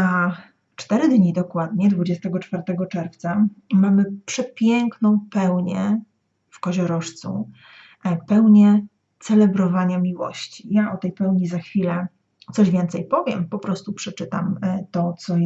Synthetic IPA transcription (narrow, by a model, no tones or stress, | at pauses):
a | t͡ʂt̪ɛɾɘd̪ɲid̪ɔkwad̪̚ɲɛd̪vud͡ʑɛst̪ɛɡɔt͡ʂfaɾt̪ɛɡɔt͡ʂɛɾft̪samamɘpʂɛpʲjɛŋknɔ̃w̃pɛwɲɛ̰ | fkɔʑɔɾɔʂt̪sṵ | pɛwɲɛ | t̪sɛlɛbɾɔvaɲamʲiwɔ̰ɕt͡ɕijaʔɔt̪ɛjpɛwɲizaxfʲilɛ | t̪sɔʑvʲjɛnt̪sɛjpɔvʲjɛmpɔpɾɔst̪upʂɛt͡ʂɘt̪amt̪ɔt̪sɔ